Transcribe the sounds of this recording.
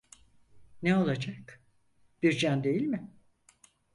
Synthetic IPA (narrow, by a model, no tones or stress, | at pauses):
neo̞lˠad͡ʒak | b̥iɾd͡ʒænd̪e̞jilʲmɪ